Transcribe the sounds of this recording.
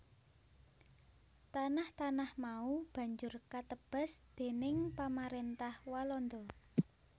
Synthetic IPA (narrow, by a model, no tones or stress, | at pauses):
t̪anaht̪anahmaub̥ä̤ɲd͡ʒʊrkat̪əb̥a̤sd̪̥e̤nɪŋpamaɾent̪ahwalɔnd̪ɔ